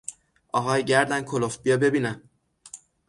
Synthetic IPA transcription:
ʔɒːɦɒːjɟæɾd̪ænkʰolofbijɒbe̞biːnæn

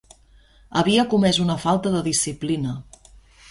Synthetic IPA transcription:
əβiəkumɛzunəfalˠt̪əðəðisiplinə

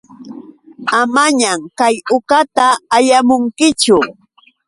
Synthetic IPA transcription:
amaɲamkajʊkat̪aːjamʊŋkɪt͡ʃʊ

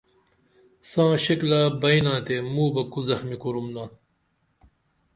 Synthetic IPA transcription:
sãːɕiklaːbɐjnãːt̪emuːbɐkuzɐxmikuɾumnaː

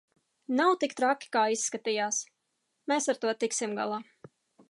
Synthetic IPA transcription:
nawt̪ikt̪ɾakʲi̥kaːisːkat̪iːjaːs | meːsaɾt̪uɔt̪iksimɡa̰lˠaː

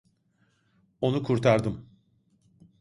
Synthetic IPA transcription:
o̞nukʰuɾt̪ʰaɾd̪ɯm

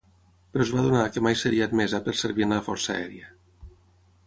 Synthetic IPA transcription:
peɾɔzβaðunakemajseɾiat̪mezapeɾseɾβinaləfɔɾsa̰ɛ̰ɾia

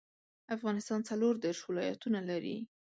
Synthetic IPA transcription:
afɣɑnɪst̪ɑnt͡saloɾd̪eɾʃwɪlɑja̰t̪unalaɾḭ

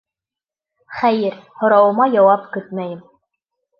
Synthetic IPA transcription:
χæjɘɾhŏɾɑwɤ̆mɑjɑwɑpkɵt̪̚mæjɘm

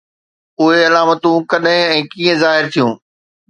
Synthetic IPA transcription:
ʊɦeɐlaːmət̪ũkɐɗɦɪ̃ɛ̃ːkiːə̃zaːɦɪɾt̪ʰijũː

